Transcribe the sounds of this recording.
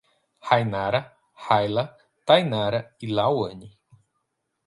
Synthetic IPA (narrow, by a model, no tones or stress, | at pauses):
hajnaɾa | hajla | t̪ajnaɾailawəɲi